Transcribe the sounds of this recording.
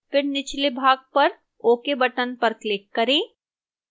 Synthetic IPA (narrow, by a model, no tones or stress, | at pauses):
pɪɾnɪt͡ʃlebʱaːɡ̚pɐɾ | oːkebɐʈənpɐɾklɪkːɐɾẽː